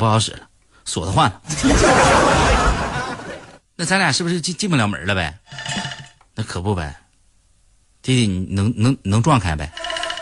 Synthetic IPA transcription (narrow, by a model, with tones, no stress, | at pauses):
u˥kɑ˧˥ʊʂɻ̩̰˨˩lə˦ | swɔ̰˨˩d̪ə˦xwa˥˩nlə˩˥˧ | na˥˩t͡sʰa˥˩ja˨˩ʂɻ̩˥˩bu˩ʂ̩˥˧t͡ɕi˥˧t͡ɕi˥˧ŋpu˧˩ljɑ˧˥ʊmə̰˨˩˥lə˦˧bɛ˧ɪ | na˥˩kʰɤ˨˩pu˥˩bɐ̰˨˩ɪ | t̪i˥t̪i˨˩ni˨˩nɤ˧˥ŋnɤ˧˥ŋnɤ˧˥ŋʈ͡ʂwɑ˥˧ŋkʰa˥˩nbḛ˨˩ɪ